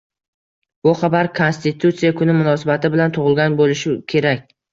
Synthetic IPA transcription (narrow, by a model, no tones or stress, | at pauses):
bʊχɑbaɾkʰonst̪ɪt̪ʰut̪sijakʰʊnɪmʊnɒsabat̪ʰɪbɪlant̪ʰʊʁɨlˠɡʲanbolɪʃɪkʲʰe̞ɾakʲ